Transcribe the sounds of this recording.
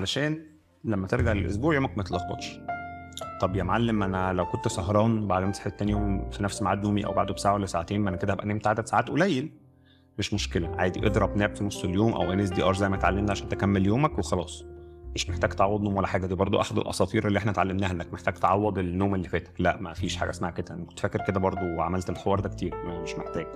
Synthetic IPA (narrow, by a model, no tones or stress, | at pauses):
ʕalæʃæːn | læmːæt̪eɾɡaʕlelʔo̰s̬buːʕjoːmækmæt̪lɑxbɑ̰t̪ʃ | t̪ˤɑbjæmʕalːæmʔænælæwkont̪sɑɦɾˤɑːnbaʕd̪ensħt̪ːæːnjoːmfinæfsmaʕaːd̪noːmiʔæ̰wba̰ʕd̪obesaːʕawælːæsaʕat̪eːnmʔænæked̪ææʔæneːmt̪ːʕad̪æd̪saʕaːt̪ʔolæjːel | meʃmoʃkelæʕaːjd̪iʔed̪ɾˤɑbnæːbfinosˤːeljoːmʔæ̰wɣæːnæːs̬d̪iːʔɑːɾˤzæjmæet̪ʕalːemnæʕaʃæːnt̪ekæmːeljoːmækwexɑlɑːsˤʔeːʃmeħt̪æːɡt̪ʕɑwːed̪noːmwælːæħaːɡæd̪iːbɑɾˤd̪ˤo̰ʔaħad̪ḛlʔɑ̰sˤɑːt̪ˤiːɾʔelːiʔeħnæet̪ʕalːemnæːhæʔenːækmeħt̪æːɡt̪eʕɑwːɑd̪ˤelːoːmelːiːfæːt̪æ̥klæʔmæfiːʃħa̰ːɡæ̰ʔæsmaʕked̪æʔænækot̪fækːeɾked̪æbɑɾˤd̪ˤoweʕamælt̪elxowɑːɾˤd̪ækt̪iːɾmæmeʃmeħt̪æːɡ̥